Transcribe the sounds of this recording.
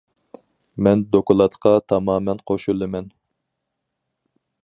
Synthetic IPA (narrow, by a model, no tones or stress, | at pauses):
mɛnd̪okulˠɑt̪qʰɑt̪ʰɑmɑːmɛnqʰoʃulˠːɨmɛn